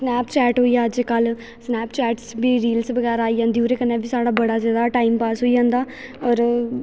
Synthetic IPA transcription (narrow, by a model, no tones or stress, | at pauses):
snɛːpt͡ʃɛːʈɦoːiaːəd͡ʒkəl | snɛːpt͡ʃɛːʈsbiːɾiːlsbəɡɛːɾaːiːd͡ʒãːnd̪iːoːɾeːkənːɛːbʱiːsaːɽaːbəɽaːzaːd̪aːʈaːimpaːsɦoːiːd͡ʒãːnd̪aː | ɔːɾ